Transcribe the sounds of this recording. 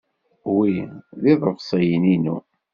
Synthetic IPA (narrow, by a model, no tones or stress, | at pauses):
wiðiðˤəvsˤɑjəninṵ